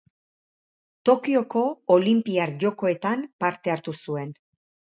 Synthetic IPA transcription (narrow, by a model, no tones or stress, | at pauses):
t̪o̞kio̞ko̞olimpiaɾʝo̞ko̞e̞t̪ampaɾt̪e̞aɾt̪usue̞n